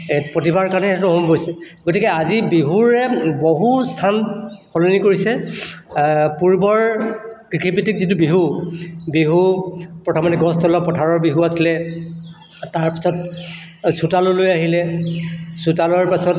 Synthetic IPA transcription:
potibaɹkanɛtɔɦombojsɛɡotikɛazibiɦuɹɛboɦustʰanpʰɔlonikoɹisɛ | puɹbɔɹkɹikʰipitik̚zitubiɦubiɦupɹɔtʰɔmɔtɛɡɔstʰɔlɔpɔtʰaɹɔɹbiɦuasilɛ | taɹpi̥sɔt̚ | sutalolojaɦilɛ | sutalɔɹpasɔt

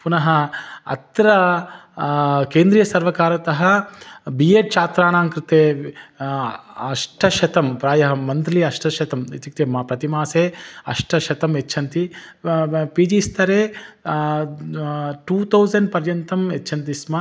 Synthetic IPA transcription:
punɐɦɐɐ̰t̪ɾɐ | keːnd̪ɾiːjɐsɐɾʋɐkaːɾɐt̪ɐɦɐbieːʈ̚t͡ʃaːt̪ɾaːnaːŋkɾit̪eː | ɐʂʈʰɐʃɐt̪ɐmpɾaːjɐɦɐmɐnt̪ɾliɐʂʈʰɐʃɐt̪ɐmet̪ikt̪eːmɐpɾɐt̪imaːseːɐ̰ʂʈʰɐʃɐt̪ɐmet͡ʃːt͡ʃʰɐnt̪i | piːd͡ʒiːst̪ʰɐɾeː | ʈuːt̪ʰɐwzɐɳɖ̚pɐɾjɐnt̪ɐmet͡ʃːt͡ʃʰɐnt̪̬ismɐ

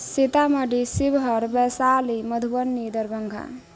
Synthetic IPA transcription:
sit̪aməɖisibɦʌɾbɛsaliməd̪ʱubənːid̪əɾbəŋɡʱa̰

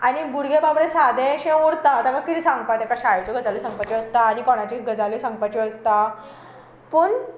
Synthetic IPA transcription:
añibuɾɡebabɾesad̪ẽɕẽoɽt̪aət̪aməɡ̚kit̪iːsãŋɡ̚pajt̪ɛkaɕajt͡ɕɔɡʱəd͡zalisãŋɡ̚pajt͡ɕeəst̪aːɽ̃ikɔɽ̃at͡ɕiːɡʱəd͡zalisãŋɡ̚pajt͡ɕeəst̪a | pəːɳ

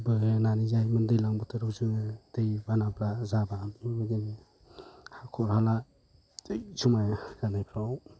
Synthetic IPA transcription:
bɯnanizajmɯndɯjlaŋbɯtʰɯɾɯwzɯŋɯd̥ejbanablazabamibɯɡin | hakʰɔɾhalḁ | ɯjsumajɡanajpʰɾaw

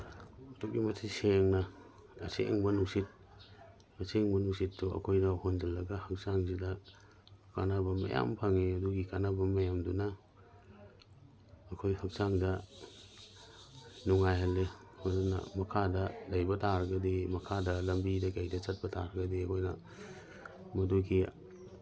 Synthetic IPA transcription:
ɐtuk̚imɐtʰiseŋnɐː | sḛŋbɐnusit̚ | ɐsʰeŋbɐnusit̚ːuʔɐ̰kʰojnɐhond͡ʒɐlːɐɡɐhɐk̚saŋzidɐ | ka̰nabɐmɐ̰ja̰mpʰaŋiɐduɡikanabɐmɐjamdunɐ | kʰojhak̚saŋdɐ | nuŋajɦalːe | madunɐ̰mɐkʰadɐdajbɐtʰaɾɡɐdimɐkʰadɐlɐmbidɐɡajdɐt͡ʃɐt̚bɐtʰa̰ɾɡɐdiɐkʰojnɐ̰ | mɐduɡi

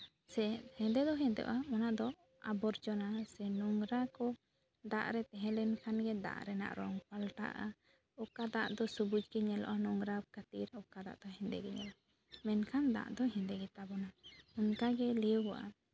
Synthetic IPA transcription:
sɛhɛ̃nd̪ɛd̪ɔɦɛ̃nd̪ɛ̰ʔɔ̰ʔamanaʔd̪ɔ | abɔɾd͡ʒɔnasɛnɔŋɾakɔ | d̪a̰ʔɾɛt̪ɛɦɛ̃lɛnkʰanɡɛd̪a̰ʔɾɛna̰ʔɾɔŋpalʈa̰ʔa̰ | ɔkad̪aʔd̪ɔsubud͡ʒɡɛɲɛlɔ̰ʔɔnɔŋɾakat̪iɾɔkad̪a̰ʔd̪ɔɦɛ̃nd̪ɛ̰ɡɛɲɛ̰la | mɛnkʰand̪a̰ʔd̪ɔɦɛ̃nd̪ɛɡɛt̪abɔnahunkaɡɛliwɡɔʔa̰

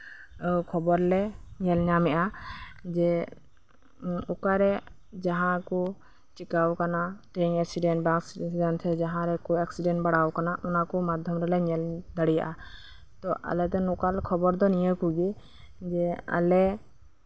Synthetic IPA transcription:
kʰɔbɔɾlɛɲɛlɲamɛʔad͡ʒɛ | ɔkaɾɛ | d͡ʒaɦãkɔ | t͡ʃikawkanaʈɛɲɛksiɖɛnʈbaksd͡ʒant̪ʰɛd͡ʒaɦãɾɛkɔɛksiɖɛnʈbaɽawkanaʔɔnakɔmad̪ʱjɔmɾɛlɛɲɛld̪aɽija̰ʔa | t̪ɔʔa̰lɛt̪ɛnɔkalkʰɔbɔɾd̪ɔnijəkuɡi | d͡ʒɛa̰lɛ

